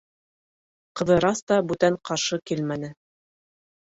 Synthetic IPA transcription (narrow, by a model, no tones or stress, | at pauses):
qɤ̆ðɤ̆ɾɑst̪ɑbʉt̪æɴqɑɾʃɤkilmænɘ